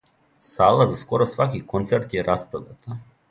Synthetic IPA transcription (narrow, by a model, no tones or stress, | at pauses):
saːlˠazaskoɾosʋakikont̪seɾt̪jeɾʔaspɾod̪at̪a